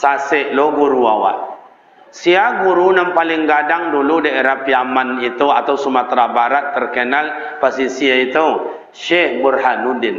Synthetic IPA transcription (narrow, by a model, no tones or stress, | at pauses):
sasɛʔloɡuɾua̰wa̰ʔ | siaɡuɾunampalɪŋɡadaŋduludaeɾahpiamanit̪uat̪awsumat̪ɾabaɾat̪ːərkənal | pasisiait̪uw | ʃɛhbərhanudɪn